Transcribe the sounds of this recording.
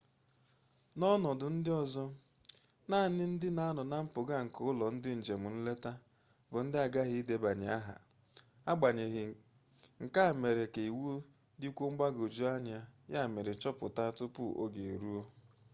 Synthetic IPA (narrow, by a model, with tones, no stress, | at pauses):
nɔ˦nɔ˨dʊ˨n̩˦dɪ˦ɔ˨zɔ˦ | na˦˨nɪ˦n̩˦dɪ˦na˦nɔ˨na˦m̩˦pʊ˨ɡa˦˨ŋ̩˨kʊ˦ʊ˦lɔ˨n̩˦dɪ˦n̩˨d͡ʒe˨mʊ˨n̩˦le˦ta˦ | bʊ˨n̩˦dɪ˦a˨ɡa˦ɦɪ˦i˦de˨ba˨ɲɪ˨a˦ɦa̰˨ | a˦ɡ͡ba˨ɲe˨ɦɪ˨ | ŋ̩˨ka˦˨me˨ɾe˨ke˨i˨wu˦ | di˦kʷu˦ŋ͡m̩˦ɡ͡ba˦ɡo˨d͡ʒu˦a˦ɲ˨a˦ja˦˨me˨ɾe˨t͡ʃɔ˦pʊ̰˨ta˦tʊ˦pʊ̰˦ʔo̰˦ɡe˨e˨ɾu˦o˦